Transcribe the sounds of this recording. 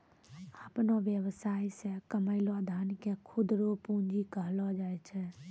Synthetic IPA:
əpnoʋjəwsaisẽkəməɪlad̪ʱankekʰud̪ɾopund͡ʒikəɦlɔd͡ʒajt͡ʃʰɛ

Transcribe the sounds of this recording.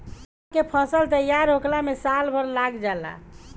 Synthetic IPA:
kepʰəsəlt̪əjaɾɦoklamesalbʱəɾlaɡd͡ʒala̰

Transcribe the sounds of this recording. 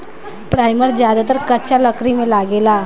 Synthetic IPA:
pɾajməɾd͡ʑjad̪at̪əɾkət͡ɕjaləkɾimelaɡela

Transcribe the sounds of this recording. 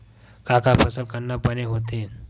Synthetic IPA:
kakapʰəsəlkənːapəneɦot̪en

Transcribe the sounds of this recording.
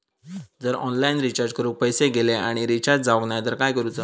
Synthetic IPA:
d͡zəɾɔnlainɾit͡ɕaɾd͡ʑkəɾuːpəjseɡeleaɽ̃iɾit͡ɕaɾ̚d͡zaʋəɡɳjd̪əɾkajkəɾuːd͡za

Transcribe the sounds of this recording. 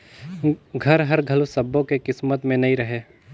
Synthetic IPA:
ɡʱɐɾɦɐɾɡʱɐlosəbːõkekɪsmət̪mẽnɐɦĩɾɐɦeː

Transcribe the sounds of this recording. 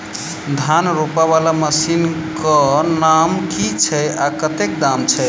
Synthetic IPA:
d̪ʱanɾopaβalaməsinkɔnamkit͡ʃʰɛakət̪ekd̪amt͡ʃʰɛ

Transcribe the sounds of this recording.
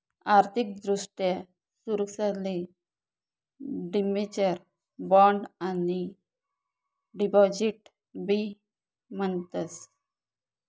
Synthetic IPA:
aɾt̪ʰik̚d̪ɾuʂʈja | suɾəksale | ɖimet͡ɕəɾ | bɔɳɖani | ɖipɔd͡ʑiʈ | bi | məɳt̪əs

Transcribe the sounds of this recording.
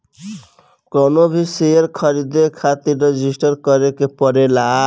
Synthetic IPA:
kɔnobʱisejeɾkʰʌɾid̪ekʰat̪iɾɾed͡ʒisʈʌɾkʌɾekepɔɾela

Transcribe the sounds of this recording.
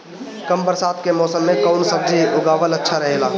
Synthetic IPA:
kəmbəɾsaːt̪ʰkemɔːsəmːẽkɔʊnsəb̚d͡ʒʱiʔʊɡaːʋələtːʃʰaɾəɦelaː

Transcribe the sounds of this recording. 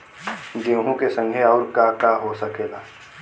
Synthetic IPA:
ɡeɦõkesə̃ŋɡʱeɔːɾkakaɦosɐkeːɡaː

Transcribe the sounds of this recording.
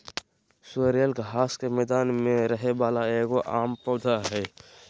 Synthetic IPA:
sʊəɾəlɡʱaːskemɛːd̪aːnmẽɾəɦeʋaːlaeːkoʔaːmpoːd̪ʱaɦɛː

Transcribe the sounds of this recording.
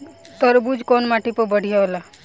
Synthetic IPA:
t̪əɾbud͡ʒʱkonmaʈipəbəɽ̤ʱijaola

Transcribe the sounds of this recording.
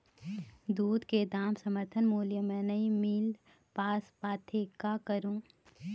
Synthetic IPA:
d̪uːd̪ked̪aːmsəməɾt̪ʰənmuːljəmẽnɐĩmiːl | paːspaːt̪ʰekakəɾũː

